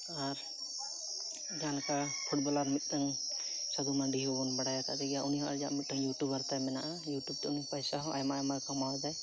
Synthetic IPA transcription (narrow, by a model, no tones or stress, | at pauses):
aɾ | d͡ʒankapʰuʈ̚bɔlaɾmit̪̚ˀt̪aŋsad̪umaɖiɦɔbɔnbaɽajat̪a̰ʔd͡ʒaɡijaʔuniɦɔʔaɾd͡ʒa̰ʔmit̪̚d̪aŋjuʈubaɾt̪ajmɛnaʔajuʈjub̚t̪ɛunipajsaɦɔʔa̰jmaajmakamawd̪aj